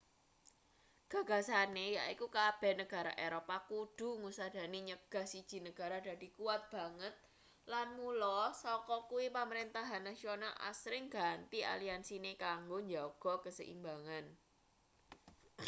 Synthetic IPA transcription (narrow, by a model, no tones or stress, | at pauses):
ɡ̥ä̤ɡ̥a̤sanejaikukab̥ɛ̤nəɡ̥a̤ɾa̰ʔeɾopakud̥ṳŋusad̥a̤neɲəɡ̥a̤hsid̥ʒ̥i̤nəɡ̥a̤ɾada̤d̥̪i̤kuwat̪̚b̥a̤ŋət̪̚ | lanmulɔsɔkɔkuwipaməɾint̪aɦanːasionalʔa̰sɾɪŋɡa̤nt̪iʔa̰liansinekaŋɡoɲd͡ʒaɡ̥ɔ̤kəsə̰ʔḭmbaŋan